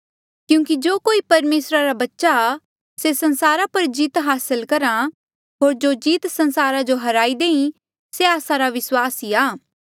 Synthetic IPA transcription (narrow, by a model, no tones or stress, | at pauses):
kjũːkid͡ʒoːkoːipɐɾmeːsɾaɾabɐtːʃa | sesɐ̃nsaːɾapɐɾd͡ʒiːt̪ɦaːsəlkɐɾa | ɦoːɾd͡ʒoːd͡ʒiːt̪sɐ̃nsaːɾad͡ʒoɦɐɾaːid̪ẽːĩ | seaːsãɾaʋɪswaːsiaː